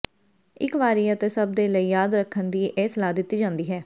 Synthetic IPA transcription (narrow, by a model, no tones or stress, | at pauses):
ɪkʋaːɾiːət̪eːsəb̚d̪eːləiːjaːd̪ɾəkʰːənd̪iːʔeːsəlaːd̪ɪt̪ːiːd͡ʒãːnd̪iːɦɛː